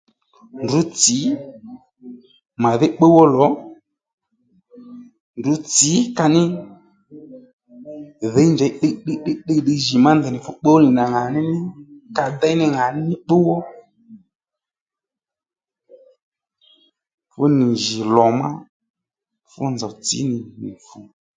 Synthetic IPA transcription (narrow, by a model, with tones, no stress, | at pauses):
ndu˨˦t͡si˨˦ | ma˨ðɪ˦k͡pe˦wɔ˦lɔ˨˦ | ndu˨˦t͡sɪ˨˦ka˧nɪ˦ | ðɛ˨˦i˦nd͡ʒɛ˨˦ɗe˦ɗɪ˦ɗɪ˦ɗe˧ɗi˧ʒi˨ma˦nd̪ɛ˨nɪ˨fʊ˦k͡pe˦wɔ˦nɪ˨na˨ŋa˨nɪ˦nɪ˦ka˧da˦nɪ˦ŋa˨nɪ˦nɪ˦k͡pe˦wɔ˦ | fʊ˦nɪ˨ʒɪ˨lɔ˨ma̰˦ | fʊ̰˦nd͡zɔ˨t͡sɪ̰˨˦nɪ˨nɪ̰˨fu˨